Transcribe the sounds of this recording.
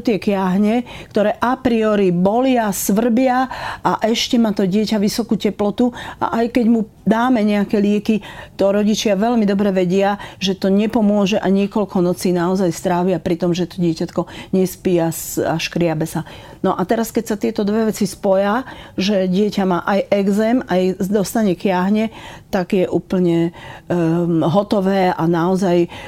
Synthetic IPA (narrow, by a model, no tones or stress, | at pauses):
t̪ɪɛkjaɦɲɛkt̪ɔɾɛːʔapɾiɔɾibɔlɪasʋr̩bɪaʔaʔɛʃcɛmaːt̪ɔɟɪɛcaʋisɔkucɛplɔt̪uʔa̰ʔajkɛɟmu | d̪aːmɛɲɛakɛlɪɛkit̪ɔɾɔɟit͡ʃɪaʋɛlmid̪ɔbɾɛʋɛɟɪaʒɛt̪ɔɲɛpɔmʊɔʒɛʔaɲɪɛkɔlkɔnɔt͡siːnaɔzajst̪ɾaːʋɪapɾit̪ɔmʒɛt̪ɔ̥ɟɪɛcat̪kɔɲɛspijasaʃkɾɪabɛsa | nɔʔat̪ɛɾaskɛcsat̪ɪɛt̪ɔd̪ʋɛʋɛt͡sispɔjaʒɛɟɪɛcamaːʔajʔɛɡzɛːmajd̪ɔst̪aɲɛkjaɦɲɛt̪aɡjɛʔuːpl̩ɲɛ | ɦɔt̪ɔʋɛːanaɔzaj